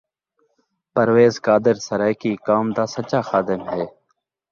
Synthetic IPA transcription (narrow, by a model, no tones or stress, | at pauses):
pəɾʋeːzkaːd̪ɪɾsəɾɛːkiːkaːmd̪aːsət͡ʃaːxaːd̪ɪmɦɛː